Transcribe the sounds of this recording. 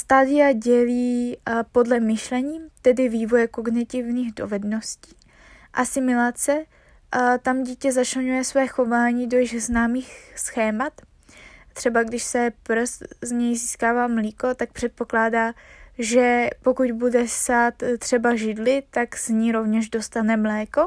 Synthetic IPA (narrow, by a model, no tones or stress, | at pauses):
st̪aːdɪjaɟɛliːpo̞dlɛmɪʃlɛɲiːt̪ɛdɪviːvojɛko̞ɡnɪt̪ɪvniːɣdo̞̰vɛdno̞sciː | ʔasɪmɪlat͡sɛ | t̪amɟiːcɛzat͡ʃlɛɲujɛsvɛːxo̞vaːɲido̞jɪɣznaːmiːxsxɛːmat̪ | t̪ːr̥ɛbaɡdɪʃsɛpɾszɲɛjziːskaːvaːmliːko̞t̪ak̚pr̥ɛt̪̚po̞klaːdaːʒɛpo̞kucbudɛsaːt̪t̪ːr̝̥ɛbaʒɪdlɪt̪aɡz̥ɲiːɾo̞vɲɛʒdo̞st̪anɛmlɛːko̞